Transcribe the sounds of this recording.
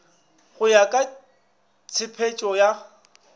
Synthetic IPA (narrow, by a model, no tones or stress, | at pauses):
χʊjakʼa | t͡sʰɪpʰet͡ʃʼɔja